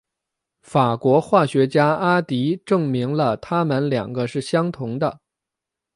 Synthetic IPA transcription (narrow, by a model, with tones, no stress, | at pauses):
fa˨˩kwɔ˧˥xwa˥˩ɕɥɛ˧˥t͡ɕja˥a˥t̪i˧˥ʈ͡ʂɤ˥˩ŋmi˧˥ŋlə˧t̪ʰa˥mə˧˨nljɑ̰˨˩ŋɡə˦ʂɻ̩˥˩ɕjɑ˥ŋt̪ʰʊ˧˥ŋd̪ə̰˧